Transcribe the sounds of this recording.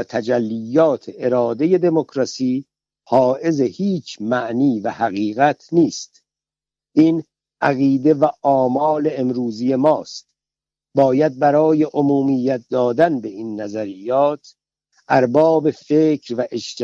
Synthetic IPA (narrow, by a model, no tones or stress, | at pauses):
æt̪ʰæd͡ʒælːijːɒːt̪ʰeʔeɾɒːd̪e̞je̞d̪e̞mokʰɾɒsiː | hɒːʔe̞zehiːt͡ʃʰmæʔniːvæhæɣiːɣæt̪ʰniːst̪̚ | ʔiːn | ʔæɣiːd̪e̞væʔɒːmɒːle̞ːmɾuːzijemɒːst̪̚ | bɒːjæd̪̚bæɾɒːje̞ʔomuːmijːæt̪̚d̪ɒːd̪ænbe̞inːæzæɾijːɒːt̪ | ʔæɾbɒːbe̞feːcʰɾvæʔeʃt̪